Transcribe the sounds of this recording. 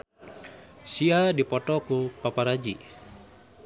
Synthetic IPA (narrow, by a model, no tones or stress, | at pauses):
siadipɔt̪ɔkupapaɾad͡ʒi